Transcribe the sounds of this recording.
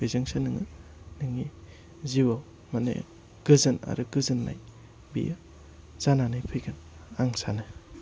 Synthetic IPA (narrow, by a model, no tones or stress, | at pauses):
bizɯŋsenɯŋɯnɯŋi | ziwaw | manḛ | ɡ̥ɯzɯna̰ɾɯɡɯzɯnːa̰j | bḭjɯ | z̥ananɯjpʰɯjɡɯn | aŋsanɯ